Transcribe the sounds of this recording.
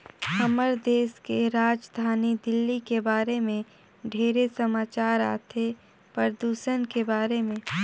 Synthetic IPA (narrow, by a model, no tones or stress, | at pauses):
həməɾd̪eːskeɾaːd͡ʒd̪ʱaːnid̪ɪlːikebaːɾemẽ | ɖʱeːɾesəmaːt͡ʃaːɾa̰ːt̪ʰe | pəɾd̪uːʃənkebaːɾemẽ